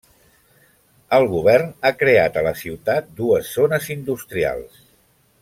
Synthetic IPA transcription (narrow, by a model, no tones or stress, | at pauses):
əlˠɣuβ̞ɛrnakɾeat̪ələsiwt̪at̪̚d̪uəzːonəzind̪ust̪ɾia̰lˠs